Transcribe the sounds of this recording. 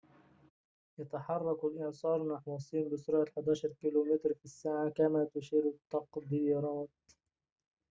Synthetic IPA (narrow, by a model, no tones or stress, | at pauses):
jat̪aħɑrˤːɑklʔɪʕsˤɑːɾˤnaħwɑsˤiːnbɪsʊɾʕaħad̪aːʃɑɾˤkiːluːmɪt̪ɾfisːaːʕakamat̪ʊʃiːɾt̪ːɑqd̪iːɾˤɑːt̪̚